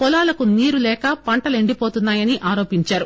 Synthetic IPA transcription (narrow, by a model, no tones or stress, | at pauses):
pɔlaːlɐkuniːɾulɛːkɐpɐɳʈɐleɳɖipo̞ːt̪unːaːjɐniʔaːɾoːpiɲt͡ʃaːɾu